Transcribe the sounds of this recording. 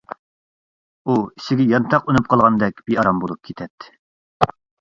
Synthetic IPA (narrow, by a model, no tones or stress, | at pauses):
uiʃɪɡʲɛjɑnt̪ʰɑqunup̚qʰɑlˠʁɑnd̪ɛkʲb̥iɑɾɑmbolˠup̚kʲʰit̪ʰɛt̪ː